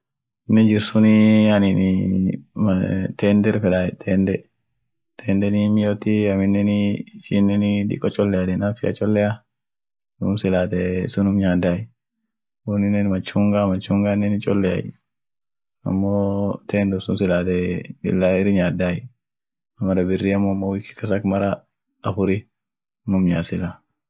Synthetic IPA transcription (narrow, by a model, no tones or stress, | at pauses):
ɪnːɛd͡ʒɪɾsʊnɪɐnɪn | t̪ɛːnd̪ɛɾfɛᶑaːjɛt̪ʰɛːnd̪ɛ | t̪ʰɛːnd̪ɛnimːɪjot̪iɐmɪnːɛnɪʃinːɛnɪᶑɪ̰kʼːɔt͡ʃʼɔlːɛjad̪ɛnafɪɐ̰t͡ʃʼɔlːɛa | nʊmsɪlaːt̪ɛsʊnʊmɲaːd̪aːj | ʊnɪnːɛnmɐt͡ʃːuːŋɡamɐt͡ʃːuŋɡaːnːɛnɪt͡ʃʼɔlːɛa̰j | ɐ̰mːoːt̪ʰɛːnd̪ʊsʊnsɪlaːt̪ɛɪ̰lːaɪɾɪɲaːd̪aːj | ɐmɐɾɐbɪrːiːɐmːɔːmːowɪkɪ̥kɐs̬ɐkmɐɾɐ | ɐfʊɾi | nʊmɲaːsɪla